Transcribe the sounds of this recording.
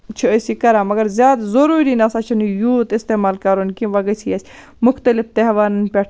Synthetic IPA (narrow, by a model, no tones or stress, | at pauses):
t͡ʃʰiəsikɐɾaːmɐɡɐɾzjaːd̪zɐɾuːɾiːnɐsat͡ʃʰɐnjuːt̪ɪst̪eːmaːlkɐɾonkĩʋɐɡəsʰiːɐsʲ | mʊxt̪əlɪft̪eɦʋaːnnpʲɛʈʰ